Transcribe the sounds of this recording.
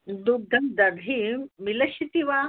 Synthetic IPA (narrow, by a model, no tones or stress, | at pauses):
d̪ud̪ʱːɐmd̪ɐd̪ʱimilɐɕit̪iʋa